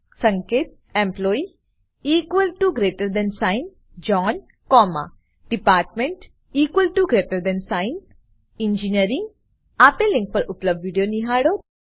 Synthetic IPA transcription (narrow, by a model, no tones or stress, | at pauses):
sɐ̃ŋkeːt̚ | ẽmplɔːi | iːkwəlʈuɡɾeːʈəɾd̪ɛ̃nsaɪn | d͡ʒɔːn | kɔːma̰ | ɖ̥ipaːɾʈmẽɳʈ | iːkwəlʈuɡɾeːʈəɾd̪ɛ̃nsaɪn | ĩnd͡ʒiniəɾĩŋɡ | apelĩŋk̚pɐɾupləb̚ɖʋiɖijoniɦaːɽo